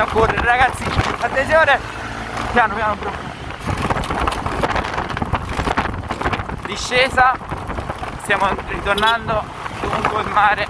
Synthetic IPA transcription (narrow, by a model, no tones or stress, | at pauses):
okːorːeɾɾaɡat̪sːiːnat̪ːesjɔːɾe | pjaːnopjaːnʊpɾou | d̪iʃːɛːsa | st̪jaːmorit̪ornand̪o | d̪omuŋkweilmaːɾe